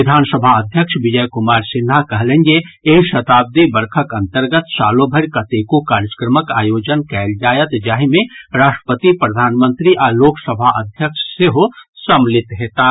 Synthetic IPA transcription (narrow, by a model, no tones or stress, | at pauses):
ɪd̪ʱaːnsəbʱaəd̪ʱjəkʃʋɪd͡ʒəjkʊmaːɾsɪnɦakɐɦlẽŋɡeeːʃɐt̪aːb̚d̪ibɐɾkʰəkɐ̃nt̪əɾɡət̪ʃaːlõbʱəɾkɐt̪ekokaːɾd͡ʒə̥kɾəməkaːjoːd͡ʒənkɛːld͡ʒaːjət̪d͡ʒaːɦimẽɾaːʃʈɾə̥pət̪ipɾəd̪ʱaːnmə̃nt̪ɾiʔaloːksəbʱaʔɐd̪ʱjəkʃseɦosɐmlɪt̪ɦeːt̪aː